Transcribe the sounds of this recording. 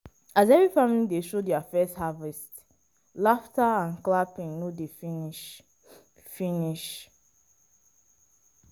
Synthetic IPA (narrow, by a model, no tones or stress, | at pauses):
azɛvɹifãmilideʃodiafɛsthavɛst | laftaãnklapĩŋnodef | finiʃ